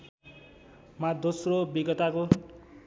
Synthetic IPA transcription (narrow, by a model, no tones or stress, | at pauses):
mad̪osrobiɡʌt̪ako